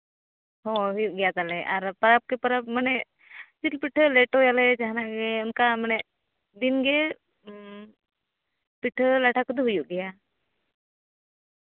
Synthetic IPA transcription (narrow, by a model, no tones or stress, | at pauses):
ɦɔɦujuʔɡɛjat̪alɛʔaɾpəɾap̚kɛpəɾap̚manɛʔ | t͡ʃilpiʈʰlɛʈojalɛd͡ʒaɦanaʔɡɛɔnkamanɛʔ | d̪inɡɛ | piʈʰəlaʈʰakəd̪uɦujuʔɡɛja